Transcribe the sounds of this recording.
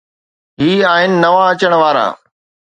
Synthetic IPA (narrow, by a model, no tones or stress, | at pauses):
ɦiːaːɦɪnɪ̆nɐʋaɐt͡ɕəɽ̃ʋaːɾa̰ː